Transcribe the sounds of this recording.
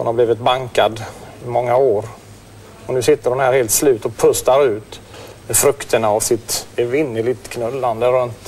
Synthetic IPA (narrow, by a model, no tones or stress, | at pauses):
hʊ̰nhabliːvɪt̪̚baŋkad̪ɪmɔŋːaoːɾ | ɔnʉ̟sɪt̪ːəɾɔmhæːɾheːlt̪slʉ̟ːt̪ɔpʰɵst̪aɾʉ̟ːt̪mɛfɾɵkt̪əɳaːvsɪt̪vɪnːəlɪt̪kʰnœlːand̪əɾɵnt̪